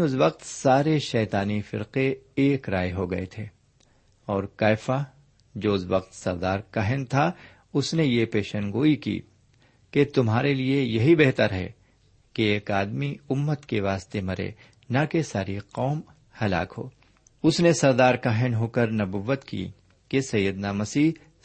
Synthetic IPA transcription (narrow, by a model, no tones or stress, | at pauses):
ʊsʋɐq̚t̪saːɾeʃɛːt̪aːnifɪ̰ɾqeeːkɾaːeɦoɡɐḛt̪ʰeː | ɔːɾkaːɪfa | d͡ʒoːʊsʋɐq̚t̪sɐɾd̪aːɾkaːɦɪnt̪ʰa | ʊsnejepeːʃənɡoːikḭː | ket̪ʊmɦaːɾeliejɐɦibeɦt̪əɾɦɛ̰ | keeːkaːd̪miʊmːət̪keʋaːst̪emɐɾḛ | nɐkesaːɾiqɔːm | hɐla̰ːkɦo̰ː | ʊsnesɐɾd̪aːɾkaːɦɪnɦoːkəɾnɐbuʋːət̪kḭ | kesɐjːəd̪namɐsiː